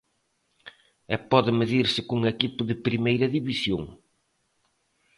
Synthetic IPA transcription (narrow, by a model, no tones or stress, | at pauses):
ɛpɔðɪmɪðiɾsɪkuŋekipʊðɪpɾimejɾɐðiβisjõ̰ŋ